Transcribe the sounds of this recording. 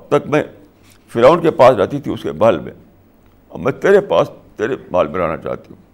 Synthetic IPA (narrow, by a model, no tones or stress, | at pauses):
ɐb̚t̪ɐkmɛ̃ | fɪɾaːʋʊnkepaːsɾɛːt̪it̪ʰiʊskebaːlmḛ̃ | ɔ̰ːmɛ̃t̪eːɾepa̰ːst̪eːɾebaːlmẽɾa̰ːna̰t͡ʃa̰ːt̪iɦũː